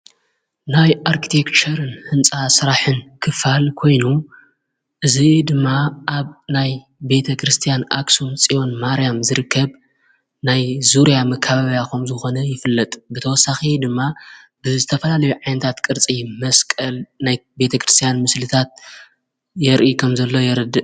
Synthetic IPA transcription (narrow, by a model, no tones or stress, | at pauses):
najʔaɾkʰi̥t̪ʰe̞kt͡ʃʰɐɾɨnhɨnt͡sʼasɨɾaħɨnkʰɨfalkʰo̞jnu | ʔɨzid̪ɨmːaʔaβnaj | be̞t̪ʰɐkʰɾɨst̪ʰijanʔa̰ksunt͡sʼijo̞nmaɾjamzɨɾɨkʰːɐβ | najzuɾijamɐkʰːaβaβjakʰɐmzɨxo̞nɐjɪfɨlːɐt̪ʼbɨt̪ʰɐwɔsːaxid̪ɨmːa | bɨzɨt̪ʰɐfɐlalɐjuʕajnɐt̪ʰat̪kʼɨɾt͡sʼimɐskʼɐlnajbe̞t̪ʰɐkɾɨst̪ʰijanmɨslɨt̪ʰat̪̚ | jɛɾʔikʰɐmzɐlːo̞jɛɾɨd̪ɨʔ